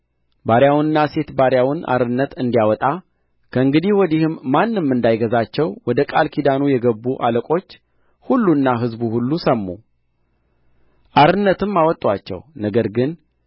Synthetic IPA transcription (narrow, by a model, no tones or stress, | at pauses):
baɾjawnɨnːase̞t̪baɾjawɨnʔa̰ɾɨnːət̪ɨnd̪ijawɔt̪ʼa | kʰəɨŋɡɨd̪ihwɔd̪ihɨmːanːɨmːɨnd̪ajɡəzat͡ʃːɛwwɔd̪əkʼalkʰid̪anujɛɡəbːuʔa̰ləkʼo̞t͡ʃː | hulːunːaɦɨzbuhulːusəmːṵ | ʔaɾɨnːət̪ɨmːawɔt̪ʼːwat͡ʃːɛ̰wnəɡəɾɡɨn